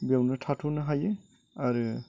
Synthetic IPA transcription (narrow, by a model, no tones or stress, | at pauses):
bawnɯtʰatʰunɯɦajɯ | aɾɯ